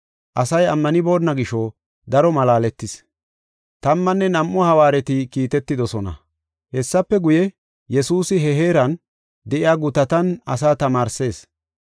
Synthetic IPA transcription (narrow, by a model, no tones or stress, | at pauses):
ʔɐsɐjɐmːɐnɪbo̞ːnːɐɡɪʃɔ | d̪ɐɾɔmɐlaːlɛt̪ːɪs | t̪ɐmːɐnːɛnɐmʔːɔhɐwaːɾɛt̪ɪkiːt̪ɛt̪ːɪd̪ɔsɔnɐ̰ | hɛsːɐpːɛɡʊjɛ | jɛsuːsɪɦɛɦe̞ːɾɐn | d̪ɛʔɪjaːɡʊt̪ɐt̪ɐnɐs̬aːt̪ɐmaːɾse̞ːs